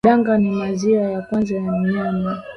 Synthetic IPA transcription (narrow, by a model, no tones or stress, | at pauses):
aŋɡanimaziajakwanzajamianɛ